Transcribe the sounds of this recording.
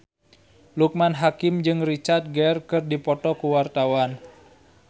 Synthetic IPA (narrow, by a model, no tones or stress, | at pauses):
luk̚manɦakɪmd͡ʒɨŋrit͡ʃart̪̚ɡɛrkɨrdipɔt̪ɔkuwart̪awan